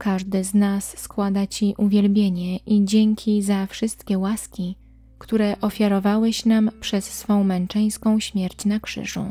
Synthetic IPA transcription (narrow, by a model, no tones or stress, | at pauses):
kaʐd̪ɘznasːkwad̪at͡ɕiʔuvʲjɛlbʲjeɲɛʔid͡ʑeŋkʲʰizafʂɘst̪kʲɛwaskʲi | kt̪uɾɛʔɔfʲjaɾɔvawɛɕnampʂɛsːfɔ̃w̃mɛnt͡ʂɛj̃skɔ̃w̃ɕmʲjɛɾt͡ɕnakʂɘ̰ʐṵ